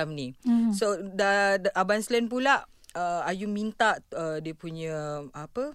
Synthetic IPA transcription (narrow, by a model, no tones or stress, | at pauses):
amnisodaʔabanslɛnpulaʔ | əajumint̪aʔədiəpuɲaapə